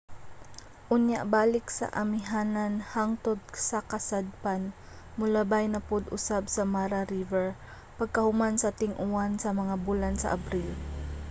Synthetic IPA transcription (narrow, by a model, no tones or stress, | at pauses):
ʔʊnjaʔbaːlɪk̚sɐ̰ʔɐmɪɦaːnanhaŋt̪od̪̚sɐkɐsad̪̚pan | mʊlabajnɐpod̪ʔʊ̰sabsɐmaːɾaɾivɛɹ | pɐɡ̚kɐhʊmansɐt̪ɪŋʔuansɐmɐŋabulansɐ̰ʔɐbɾil